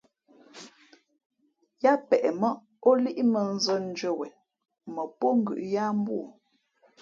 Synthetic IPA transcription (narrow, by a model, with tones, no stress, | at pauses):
ja˦pɛ˨ʔɛ˨mɔ˦ʔ | o˦li˦ʔmə˨n˦zə˦n̩˦d͡ʒə˦˨wɛ˨ | mə˨po˦ŋ̩˨ɡʉ̰˨ʔja˦m˦bu˦˨